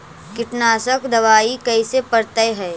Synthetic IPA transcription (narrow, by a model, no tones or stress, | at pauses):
kɪʈnaːsəkd̪ɐʋaːikɐisepɐɾt̪əeɦɛː